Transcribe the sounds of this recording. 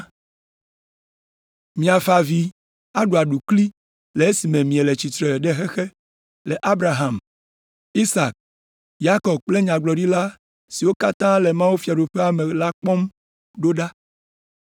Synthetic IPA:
mĩ˨a˨fa˨vi˨ | a˦ɖo˨a˨ɖu˨kli˦ | le˨e˦si˨mẽ˨mĩ˨e˨le˨t͡ɕi˨t̪ɾe˨ɖe˦xe˦xe˦ | le˨ʔa˦bɾa˨ɦã˨m | i˦sa˨k̚ | ja˦kɔ˨b̚k͡ple˦ɲã˨ɡ͡blɔ˨ɖi˦la˦ | si˨wo˦ka˦t̪ã˦le˨mã˦wu˦fi˦a˨ɖo˨ɸe˦a˨me˨la˦k͡pɔ˦m | ɖo˦ɖa˦

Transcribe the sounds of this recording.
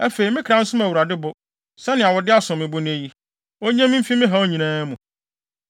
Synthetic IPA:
æ˦fe˨i˨mɪ̃˦kʰɾã˦n̩˦sʊ̃˦mæ˨wu˨ɾa˨dɪ˦bʊ˨ | sɛ˦nɪ̃˨a˨wɔ˨dɪ˦a˦sʊ̃˨mːɪ̃˨bʊ˦nɪ̃˦e˦ji˦ | o˦ɲã˦m̩̃˦fi˦mɪ̃˦ɦa˨o˦ɲĩ˨nãː˦mũ˨

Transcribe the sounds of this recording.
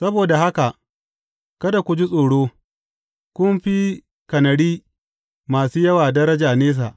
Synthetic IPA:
sɐ˦boː˨da˨ha˦ka˨ʔ | kɐ˦da˨kʷʊ˨d͡ʒi˦sʼoː˨ɽoː˦ | kʷʊ˦mɸi˦ | kɐ˨nɐ˨ɽiː˦ | maː˨suː˦jɐ˦waː˨dɐ˦ɾɐ˦d͡ʒaː˨neː˦s̬a˨ʔ

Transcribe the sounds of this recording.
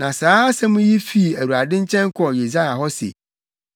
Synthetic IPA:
nã˨saː˨˦sɛ˦mʊ̃˦ji˦fi˦˨æ˨wu˨a˨dɪ̃˦ɲ˦t͡ɕʰɛ̃˦ŋkʰɔ˨je˨s̬a˦ja˨ɦɔ˦sḛ˨

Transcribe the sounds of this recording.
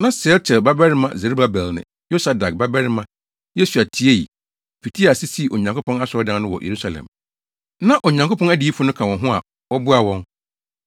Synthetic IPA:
nã˦sɪ˨ɛ˦lt͡ɕʰɛ˨lba˦bɛ˦ɾɪ˦mã̰˨ze˨ɾu˦ba˦bɛ˨lnɪ̰̃˨ | jo˦sa˨da˨k̚ba˦bɛ˦ɾɪ˦mã˦ | je˦su˨a˨tʰi˦e˦jḭ˨ | pi˨tʰi˦a˨sɪ˦si˦˨ʔo˨ɲã˨ŋkʰʊ˦pʰɔ̃˦na˦sɔ˨˦ɔ˦dã˦nnʊ̃˦wɔ̰˨je˨ɾu˦sa˨lɛ̰̃˨m | nã˦ʔo˨ɲã˨ŋkʰo˦pʰɔ̃˦næ˦di˨˦i˦fʊ˨˦nʊ̃˦kʰã˨wɔ̃˨nɦʊ̃˦a̰˨ | wɔ˦bʊ˦a˨wɔ̃˦n

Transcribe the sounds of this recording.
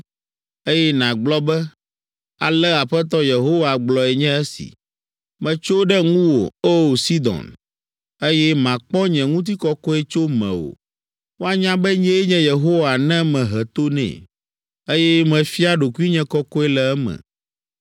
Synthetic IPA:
e˦jɛ˦nã˨ɡ͡blɔ˦bɛ˦ | a˨lɛ˦a˨ɸɛ˦t̪̬ɔ˦je˨ɦo˦wa˨ɡ͡blɔ˨ɛ˨ɲɛ̃˦ɛ˦sḭ˨ | mɛ̃˨t͡ʃo˦ɖɛ˦ŋũ˦wo̰˨o˦˨si˦d̪ɔ̰̃˨n | e˦jɛ˦mã˨k͡pɔ˦ɲɛ̃˨ŋũ˦t̪̬i˦kɔ˦kɔ˦ɛ˦t͡ʃo˦mɛ̰̃˨wo̰˨ | wo˦a˦ɲã˦bɛ˦ɲɛ̃˦ɲɛ̃˦je˨ɦo˦wa˨nɛ̃˦mɛ̃˨ɦɛ˨t̪o˦nɛ̰̃˨ | e˦jɛ˦mɛ̃˨fi˦a˦ɖo˨ku˦i˦ɲɛ̃˨kɔ˦kɔ˦ɛ˦lɛ˨ɛ˦mɛ̰̃˨

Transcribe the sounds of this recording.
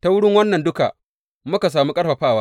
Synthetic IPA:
ta˨wʊ˦ɽɪ˦ŋwɐ˦nːɐ˨ndʊ˦ka̰˨ | mʊ˦ka˨s̬aː˨mu˦kʼɐ˦ɸɐ˨ɸaː˦˨waː˦

